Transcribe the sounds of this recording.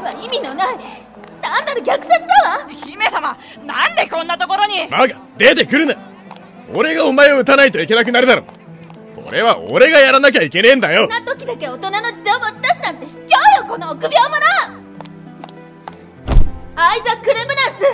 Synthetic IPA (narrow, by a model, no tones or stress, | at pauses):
βaimʲinona | d̪ãnːaɾɯɡʲakɯ̟̥sat͡sɨd̪aβaçime̞sama | nãnd̪e̞kõ̞nːat̪o̞ko̞ɾo̞ɲ̟imaɡa | d̪e̞t̪̬e̞kɯ̟ɾɯ̟na | o̞ɾe̞ɡaomae̞oɯ̟t̪anait̪o̞ike̞nak̬ɯ̟naɾɯd̪aɾo̰ | kʰo̞̰ɾe̞βao̞̰ɾe̞ɡajaɾanak̬ʲaike̞nẽ̞nd̪ajonat̪o̞kʲid̪ake̞ot̪o̞nanod͡ʑi̥toːmot͡ɕi̥d̪asɨnãnt̪e̞çi̥kʲoːjoko̞noːkɯ̟bʲjoːmona | aizakːɯ̟ɾebɯ̟nasɨ